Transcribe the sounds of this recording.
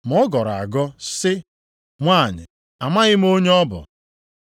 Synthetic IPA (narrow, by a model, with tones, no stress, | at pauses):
m̩˨ɔ˦ɡɔ˨ɾa̰˨ɡɔ˦sɪ˦ | ŋʷaː˦˨ɲɪ̰˨ | a˨ma˦ɣɪ˦m̩˦o˦ɲe˦ɔ˦bʊ̰˨